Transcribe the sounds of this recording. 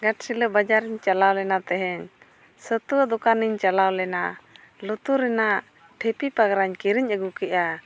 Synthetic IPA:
ɡaʈ̚siləbad͡ʒaɾiɲt͡ʃalawlɛnat̪ɛɦɛɲ | sət̪uwəd̪ɔkaniɲt͡ʃalawlɛna | lɔt̪uɾɛnaʔ | ʈʰɛpipaɡɾaɲkiɾiɲəɡukɛʔa

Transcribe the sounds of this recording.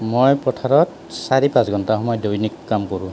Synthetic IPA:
mojpɔtʰaɹɔt | saɹipãsɡʱɔntaɦɔmɔjɔdojnikːamkɔɹu

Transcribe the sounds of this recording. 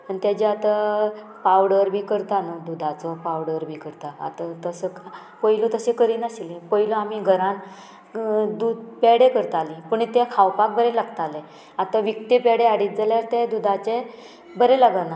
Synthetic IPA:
ənt̪jad͡ʑeat̪a | pawɽəɾbʱiːkəɾt̪anəd̪ud̪ʱat͡sɔpawɽəɾbʱiːkəɾt̪aa̰t̪at̪əsəka | pəjlut̪əsekəɾiːnəsilepəiluamiɡʱəɾãn | d̪ud̪peɽekəɾt̪alipəɳt̪ekʰawpak̚bəɾelaɡt̪ale | at̪aʋikt̪epeɽeaɽit̪̚d͡zaljaɾt̪ed̪ud̪ʱat͡ɕe | bəɾelaɡəna

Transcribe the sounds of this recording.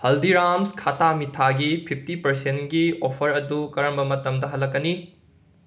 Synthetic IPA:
hɐldiɾamskʰatʰamitʰaɡipʰipʰtipɐɾsentɡiopʰɐɾɐdukɐɾɐmbɐmɐtɐmdɐɦɐlːɐkːɐni

